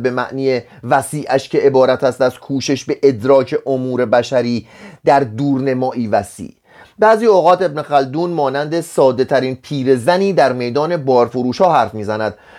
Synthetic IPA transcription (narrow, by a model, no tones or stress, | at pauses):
be̞mæʔniːje | væsiːʔæʃcʰe̞ʔebɒːɾæt̪ʰæst̪æskʰuːʃe̞ʃbe̞ʔed̪ɾɒːcʰe̞ʔomuːɾe̞bæʃæɾiːd̪̥æɾd̪uːɾne̞mɒːʔiːvæsḭː | bæːziːoɣɒːt̪e̞bnexæld̪uːnmɒːnænd̪e̞sɒːd̪e̞t̪ʰæɾiːnpʰiːɾe̞zæniːd̪æɾme̞jd̪ɒːne̞bɒːɾfoɾuːʃɒːɦæɾfmiːzænæd̪̥̚